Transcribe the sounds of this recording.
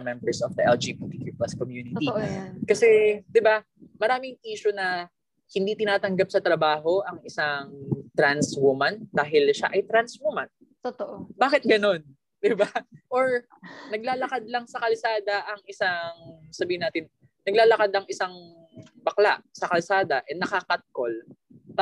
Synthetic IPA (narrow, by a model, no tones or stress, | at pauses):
mɛmbɛɹsɔfd̪ɐʔɛld͡ʒibit̪ikipɐskomjuːnɪt̪iʔkɐsɛd̪ɪba | mɐɾaːmɪŋʔiːʃonɐ | hɪnd̪it̪ɪnaːt̪ɐŋɡap̚sɐt̪ɾɐbaːɦo̞ʔɐŋɪsaŋt̪ɾanswumɐnd̪aːɦɪlʃa̰ʔɐjt̪ɾanswumɐn | t̪t̪oʔobaːkɪt̪̚ɡɐno̞n | d̪ɪbaʔoɹ | nɐɡ̚laːlɐkad̪̚lɐŋsɐkɐlsaːd̪ɐʔɐŋɪsaŋsɐbiːhɪnaːt̪ɪnː | ɐɡ̚laːlɐkad̪ɐŋɪsaŋ | bɐklaʔsɐkɐlsaːd̪ɐʔɛnɐkɐkat̪̚kol